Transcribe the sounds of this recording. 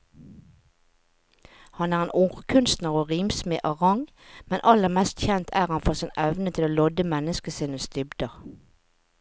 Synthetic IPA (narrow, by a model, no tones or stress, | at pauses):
hɑnæːʁeːnʔʊʁkʰʉnst̪nəʁoːʁiːmsmiːʔɑʁɑŋ | mɛnʔɑləʁmɛst̪çɛnt̪ʰæːʁɑnfoːsɪnɛʋnət̪ʰɪloːlɔd̪əmɛnəskəsiːnəst̪ʏbd̪əʁ